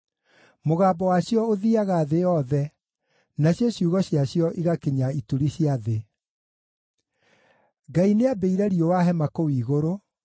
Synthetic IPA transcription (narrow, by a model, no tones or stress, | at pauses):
moɣaːbɔwaɕjɔoðiaɣaðeɔðɛ | naɕjɔɕjuːɣɔɕjaɕjɔʔiɣakeɲaituɾiɕjaðe | ɡaineabeiɾɛɾiowaɦɛmakowiːɣoɾo